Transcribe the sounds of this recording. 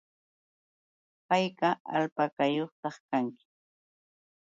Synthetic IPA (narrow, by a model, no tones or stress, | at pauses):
pajkaa̰lpakajoχt̪ɑχkaŋkɪ̥